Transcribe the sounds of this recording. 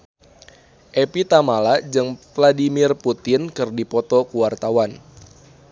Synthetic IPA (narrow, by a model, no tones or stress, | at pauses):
ʔepit̪amalad͡ʒɨŋvladimɪrput̪ɪnkɨrdipɔt̪ɔkuwart̪awan